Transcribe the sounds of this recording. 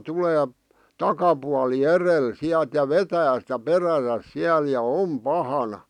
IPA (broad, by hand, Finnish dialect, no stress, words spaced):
tuleː tɑkɑpuɑli erel siæl̆t jɑ ʋetæː sĭtæ peræsæs siæl jɑ om pɑhɑnɑ